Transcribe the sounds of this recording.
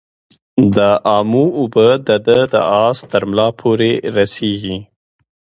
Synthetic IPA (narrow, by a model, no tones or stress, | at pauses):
d̪əʔɑmuʊbəd̪əd̪əd̪ə̰ɑst̪əɾmlɑpʰoɾeɾaseɡi